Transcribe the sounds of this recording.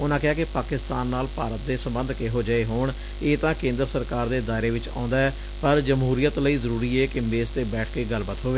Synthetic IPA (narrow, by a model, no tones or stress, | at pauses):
ʊnãːkɪaːkɪpaːkɪst̪aːnːaːlpaːɾət̪̚d̪eːsəmbənd̪ʱkeːɦoːd͡ʒəeːɦoːɳ | eːt̪ãːkẽːnd̪əɾəsəɾkaːɾd̪eːd̪aːɪɾeːʋɪt͡ʃã̰ːʊ̃nd̪aːɛː | pəɾd͡ʒəmɦuːɾijət̪ləiːzəɾuːɾiːɛːkɪmbeːst̪eːbɛːʈʰkeːɡəlbət̪ɦoːʋeː